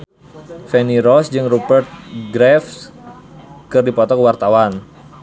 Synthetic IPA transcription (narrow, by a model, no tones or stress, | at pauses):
fɛniɾɔsd͡ʒɨŋrubərt̪̚ɡɾɛf | kɨrdipɔt̪ɔkəwart̪awan